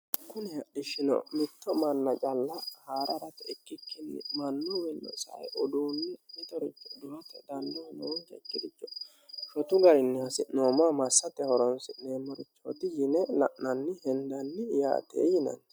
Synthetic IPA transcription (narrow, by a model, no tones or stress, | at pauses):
kʊnɛhɐɗɪʃɪnɐ̰mɪt̪ːɔmɐnːɐt͡ʃʼɐlːɐhaːɾɐɾɐt̪ɛɛkːɪkːɪnːɪ̰mɐnːɔwɛnːɔ̰sɐ̰jɔd̪uːnːɛɛt̪ɔɾɪt͡ʃːɔ̥d̪ʊhɐt̪ɛd̪ɐnd̪ɔhɐnɔwɔnɡɛ̰kʼːɪd̪ɪt͡ʃːɔ̥ | ʃɔt̪ʊɡɐɾɪnːɪhɐsɪʔnoːmaːmɐsːɐt̪ɛhɔɾɔnsɪʔneːmɔɾɪt͡ʃːo̰ːt̪ɪjɪnɛlɐ̰ʔnɐnːɪhɛnd̪ɐnːɪja̰ːt̪ʰḛːjɪnɐ̰n